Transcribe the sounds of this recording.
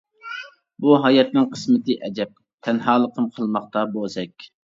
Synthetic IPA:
buɦɑjɛt̪̚nɨŋqʰə̥smɪt̪ɨʔɛd͡ʒɛp̚ | t̪ʰɛnɦɑːlˠəqʰəmqʰəlˠmɑχt̪ɑbozɛkʲ

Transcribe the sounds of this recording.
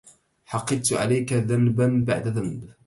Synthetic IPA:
ħɑqːɨd̪t̪ʕa̰lajkaðanbanba̰ʕd̪aðanb

